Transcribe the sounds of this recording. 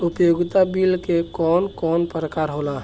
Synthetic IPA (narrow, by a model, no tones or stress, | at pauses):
ʊpjoɡt̪abilkekɔːnkɔːnpɾəkaːɾɦola